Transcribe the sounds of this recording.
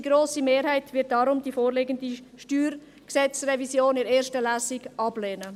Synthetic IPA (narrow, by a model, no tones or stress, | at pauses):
ɡɾoːsimeːɾhaɪtvɪɐt̚d̥ɑɾʊmdifoːɾleːɡəndiʃtyːr | ksɛt͡srɛvisjoːnɪɾeːɾʃtəlæːsiɡʔɑb̥lɛːnə